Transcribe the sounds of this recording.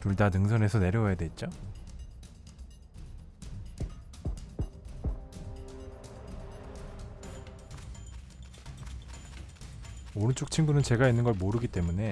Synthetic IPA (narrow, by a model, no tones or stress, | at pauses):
tuɭdanɯŋsʰʌne̞sʰʌne̞ɾjʌwʌjadwe̞t̚t͡ɕ͈o | oɾɯnt͡ɕ͈ok̚t͡ɕʰinɡunɯnt͡ɕe̞ɡainːɯnɡʌɭmoɾɯɡit͈e̞mune̞